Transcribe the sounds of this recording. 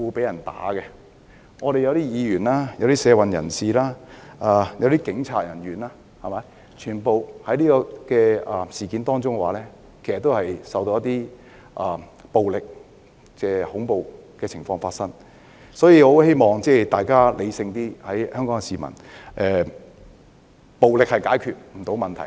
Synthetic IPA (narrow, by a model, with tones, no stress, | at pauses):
uː˨˧pe˨˥jɐ˨˩nt̪a̰ː˨˥kɛ˧ | ŋɔː˨˧ɾe˨jɐ˨˧wt̪iː˥jiː˨˧ɥyː˨˩nlaː˥jɐ˧wt̪iː˥sɛː˨˧wɐ˨njɐ̰˨˩nsiː˨laː˥ʔaː˨˧jɐ˨˧wt̪iː˥kɪ˨˥ŋt͡sʰa̰ː˧t̚jɐ˨˩nɥyː˨˩naː˥ | hɐ˨˩mɐ˨˧˥j | t͡ʃʰyː˨˩npo˨whɐ˨˥jliː˥kɔː˧kɛː˧ɐ˨siː˨kiː˨˥nt̪ɔː˥ŋt͡sʊ˥ŋkɛ˧waː˨˥lɛː˥ | kʰe˨˩sɐ˨t̪ːo˥whɐ˨jsɐ˨wt̪o˧˦jɐ˥t̪iː˥ | ʔaː˨˩ | po˨wlɪ˨k̚ | kɛː˧hʊ˨˥ŋpo˨˧wkɛː˧ɪ˨˩ŋfɔː˧ŋfaː˧t̚sɐ˥ŋ | sɔː˨˥jiː˧ho˨˥whe˥jmɔː˨˩ŋt͡sɛː˥t̪aː˨jkaː˥le˨˧jsɪ˧ŋt̪iː˥hɐ˨˥jhœː˥ŋkɔː˨˥ŋkɛ˧siː˨mɐ̰˨˩nʔɛː˨˧ | po˨wlɪ˨k̚hɐ˨jkaː˨˥jkʰyː˨t̚m̩˨˩t̪ʰo˨˥wmɐ˨nt̪ʰɐ˨˩